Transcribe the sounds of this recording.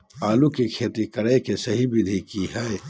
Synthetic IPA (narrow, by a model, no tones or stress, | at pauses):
aːlukikʰeːt̪ikɐɾekesɐɦibɪd̪ʱikiɦɛe